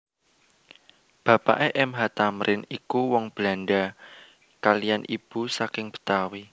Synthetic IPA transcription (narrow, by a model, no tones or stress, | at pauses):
b̥a̤pa̰ʔeʔɛmɦat̪amɾʔɪnikuwɔŋb̥la̤nɖa | kalijanʔib̥ṳsakɪŋb̥ə̥̤t̪awi